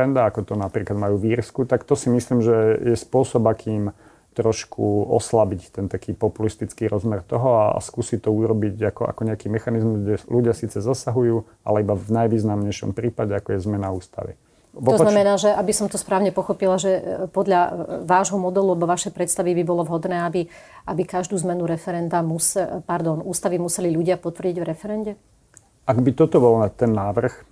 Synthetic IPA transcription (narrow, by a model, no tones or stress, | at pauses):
ɛnd̪aakɔt̪ɔnapɾiːklad̪majuːʋiːɾskut̪akt̪ɔsimisliːmʒɛjɛspʊɔsɔbakʰiːm | t̪ɾɔʃkʰuɔ̰slabict̪ɛnt̪akiːpɔpulist̪it͡skiːɾɔzmɛɾt̪ɔɦɔaa̰skuːsit̪ɔuːɾɔbiɟakɔa̰kɔɲɛakiːmɛxanizmuzɡɟɛluɟɪasiːt͡sɛzasaɦujuː | a̰lɛibavnajʋiːznamɲɛjʃɔ̰mpɾiːpaɟɛakɔjɛzmɛnauːst̪a̰ʋḭ | ʋɔɔzanaamɛnaːʒɛʔabisɔmt̪ɔspɾaːʊɲɛpɔxɔpilaʒɛpɔd̪lʎaʋaːʒɦɔmɔd̪ɛlualɛbɔʋaʃɛjpɾɛt̪st̪aʋibibɔlɔʋɦɔd̪nɛːabi | ʔabikaʒd̪uːzmɛnuɾɛfɛɾɛnd̪amuspaɾd̪ɔnuːst̪aʋimusɛliʎuɟɪapɔt̪ʋr̩ɟiɟʋɾɛfɛɾɛnɟɛ | aɡbit̪ɔt̪ɔbɔlt̪ɛnːaːʋr̩x